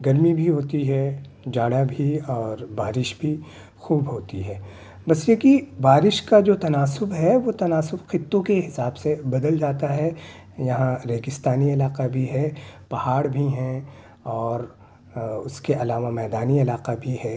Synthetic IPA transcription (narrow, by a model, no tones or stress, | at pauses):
ɡɐɾmibʱiɦoːt̪iɦɛd͡ʒaːɽabʱiɔːɾbaːɾɪʃbʱi | xuːbɦoːt̪iɦɛː | bɐsjekibaːɾɪʃkad͡ʒoːt̪ɐnaːsʊbɦɛʋot̪ɐnaːsʊbxɪt̪ːõkeɦɪsaːbsebɐd̪əld͡ʒaːt̪aɦɛ | jɐɦãɾeːɡɪst̪aːniɐlaːqabʱiɦɛpɐhaːɽbʱiɦɛ̃ | ɔːɾ | ʊskeʔɐlaːʋamɛːd̪aːniɐlaːqabʱiɦɛː